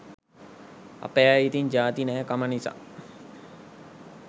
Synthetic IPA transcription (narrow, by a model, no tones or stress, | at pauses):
a̰peait̪iɲd͡ʒaːt̪inɛːkamənisa̰ː